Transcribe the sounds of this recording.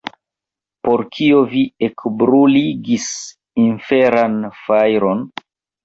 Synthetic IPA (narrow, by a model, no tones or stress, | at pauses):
po̞ɾkʰio̞viekbɾuliɡis | infeɾanfajɾo̞n